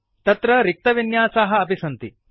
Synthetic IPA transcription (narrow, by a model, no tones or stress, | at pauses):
t̪ɐt̪ɾɐɾik̚t̪ɐʋinjaːsaːɦɐ̆ɐpisɐnt̪i